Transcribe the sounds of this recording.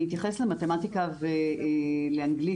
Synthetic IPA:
it̬jaχeslemat̪e̞matikave | leaŋɡli

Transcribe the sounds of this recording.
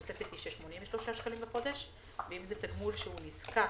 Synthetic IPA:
t͡setbet̪iʃeʃmonimveʃlo̞ʃaʃkalimbexo̞d̪eʃ | veimzet̪aɡmulʃeuniska

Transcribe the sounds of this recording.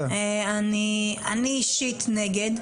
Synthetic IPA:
eania̰niʃit̪neɡed̪

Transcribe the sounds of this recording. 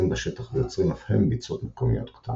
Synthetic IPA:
imbeʃet̪aχvejot͡sʁimafhembit͡sot̪mekomḭjo̞t̪kt̪ʰa

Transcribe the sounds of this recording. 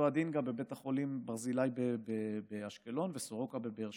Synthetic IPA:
ad̪inɡabebe̞t̪aχo̞limbaʁzilajbebebeaʃkelo̞nve̞soʁo̞kabebeʁʃ

